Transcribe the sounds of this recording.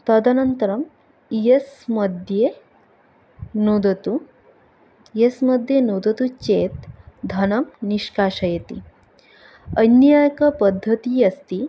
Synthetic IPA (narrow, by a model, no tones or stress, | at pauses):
t̪ɐd̪ʱɐnɐnt̪ɐɾɐm | jesmɐd̪ʱje | nud̪ɐt̪u | jesmɐd̪ʱjenud̪ɐt̪ut͡ɕeːt̪d̪ʱɐnɐmniʃkaːʃɐjet̪ḭ | ənjaːjɐkɐpɐd̪ʱːɐt̪iːɐst̪iː